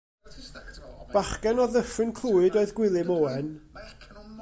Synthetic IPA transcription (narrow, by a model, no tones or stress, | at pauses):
b̥aχkɛnɔðəfrɨnkʰl̥ˠuːɨdoːɨðɡwɪlˠɪmoːɛn